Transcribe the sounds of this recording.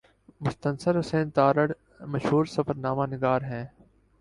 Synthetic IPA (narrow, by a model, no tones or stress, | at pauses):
mʊst̪ənsəɾʊsẽːnt̪aːɾəɽ | mɐʃɦuːɾsɐfəɾnaːmaːnɪɡaːɾɦɛ̃ː